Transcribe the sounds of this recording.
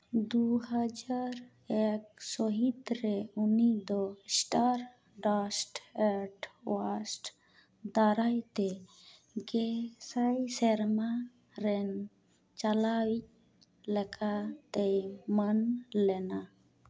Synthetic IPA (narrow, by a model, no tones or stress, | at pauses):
d̪uɦəd͡ʒaɾ | ek̚sɔɦit̪ɾeunid̪ɔsʈaɾ | ɖasʈeʈʰwasʈ | d̪aɾajt̪e | ɡesajsɛɾma | ɾɛn | t͡ʃalawi | lɛkʰat̪ejmənlɛna